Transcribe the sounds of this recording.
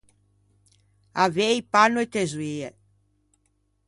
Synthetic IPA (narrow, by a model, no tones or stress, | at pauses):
avejpanoet̪ezwie